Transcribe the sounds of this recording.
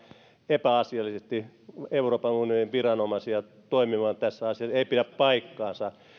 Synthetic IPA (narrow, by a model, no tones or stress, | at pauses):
epæɑsiɑlːˑisest̪ieuroːpɑnunioniʋʋirɑnomɑsiɑ | t̪oimimɑːnt̪æsːæɑsiɑseipiɾæppɑikːɑːnsɑ